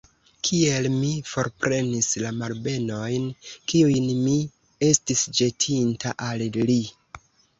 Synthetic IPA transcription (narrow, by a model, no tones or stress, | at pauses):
kʰie̞lmifo̞ɾpɾʔe̞nislamalbe̞no̞jnkiujnmi | e̞stisd͡ʒe̞tʰintaʔalli